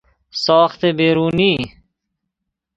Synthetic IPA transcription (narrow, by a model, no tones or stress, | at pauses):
sɔːxt̪ebeːɾuːniː